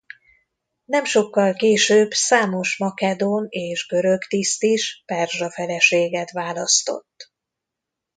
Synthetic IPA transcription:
nɛmʃo̞kːɒlkeːʃøːbsaːmo̞ʃmɒkɛd̪oːneːʒɡø̞ɾøkt̪ist̪iʃpɛrʒɒfɛlɛʃeːɡɛt̪ʋaːlɒst̪o̞̰t̪ː

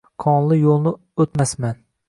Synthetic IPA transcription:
kʰɒnlˠɪjolˠnɪ | ot̪masman

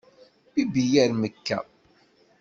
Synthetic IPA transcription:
ibijæɾməkːæ̰

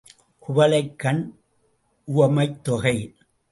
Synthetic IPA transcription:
kʊʋɐlɐɪkːɐn | ʊʋɐmɐɪt̪ːɔɣɐɪ

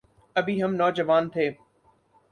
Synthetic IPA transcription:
ɐbʱiɦɐmnɔːd͡ʒəʋaːnt̪ʰeː

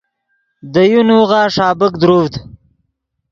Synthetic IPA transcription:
d̪əjunuɣɑːʂɑːbəkd̪ɾuvd̪

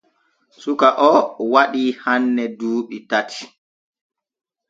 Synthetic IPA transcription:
sukaʔɔwaɗiːhanːɛduːɓitatʰi̥

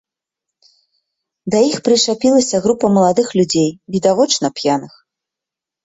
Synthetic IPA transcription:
d̪ɐjixpɾɨʂapʲilˠɐsʲɐɣɾupɐmɐlˠad̪ɨxlʲud͡zʲejvʲid̪avɔt͡ʂnɐpjanɨx

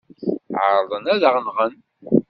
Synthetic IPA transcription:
ʕəɾˤðˤənæðəʁnʁən

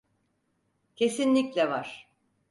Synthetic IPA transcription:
cʰe̞sinlʲiclʲɛvaɾ̥

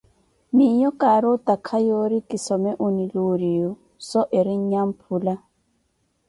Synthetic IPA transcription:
mijɔkʼaɾotakʰajoɾikisɔmɛʔuniluɾijɔ | sɔʔeɾiɲ̩ɲam̩pʰuːla

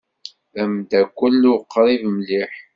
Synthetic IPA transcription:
æmd̪ækʷːəlːʊqːɾˤivmliħ

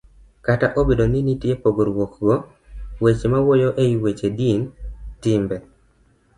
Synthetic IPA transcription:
kataʔobedoninitjepoɡoɾwokɡɔ | wet͡ʃemawojoʔeiwet͡ʃedintimbɛ

